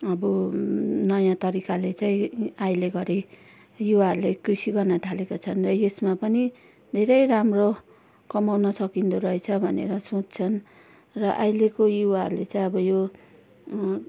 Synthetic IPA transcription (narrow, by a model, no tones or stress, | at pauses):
ʌbʌ | nʌjãt̪ʌɾikalet͡saĩajleɡʌɾe | juwaɦʌɾulekrisiɡʌrnʌt̪ʰalekot͡sʰʌnrʌjesmapʌni | d̪ʱeɾʌjramro | kʌmawnʌsʌkind̪oɾʌet͡sʰʌbʱʌnḛɾʌsõt͡st͡sʰʌn | rʌʔajlekojuwaɦʌ̰ɾulet͡sãĩʌbʌjo